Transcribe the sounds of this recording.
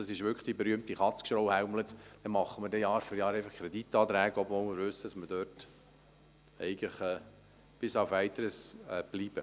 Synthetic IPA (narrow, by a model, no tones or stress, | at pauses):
d̥ɑsɪʃʋʏkχd̥ibɛɾyəmt̪iχɑt͡skʃɾowhæʊmlət̪d̥ɛmɑχːəməɾdɛjɑːɾfyɾjɑːɾɛɪfəχkʰɾɛditːɑːt̪ɾæːɡəɔbvoːlmɪɾvɵsːəd̥ɑsməd̥øːt | ɛɪɡləχɛː | b̥ɪsɑʊfɛɪt̪əɾəsɛb̥liːb̥ə